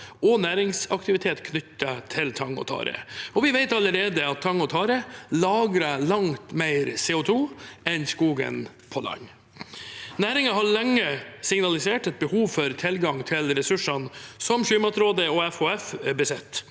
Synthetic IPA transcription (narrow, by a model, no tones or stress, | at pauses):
ɔnæːɾɪŋsɑkt̪ɪʋɪt̪ʰeːt̪kʰnʏt̪ːət̪ʰɪlt̪ʰɑŋɔ̰t̪ʰɑ̰ːɾə̰ɔʋɪʋeɪt̪ɑləɾeːd̪əɑt̪ʰːɑŋɔt̪ʰɑːɾəlɑːɡɾɑlɑŋt̪mæɪɾseːʊt̪ʰuːɛnskuːɡə̰n | pʰɔlɑ̰ŋː | næːɾɪŋɑɦɑɾɭɛŋːəsɪŋnɑlɪseːʈɛt̪̚bəhuːʋfɔɾt̪ʰɪlɡɑŋt̪ʰɪlɾɛsʉʂɑnsɔmɕyːmɑt̪ɾoːd̪əɔɛfhoːɛfbəsɛt̪ː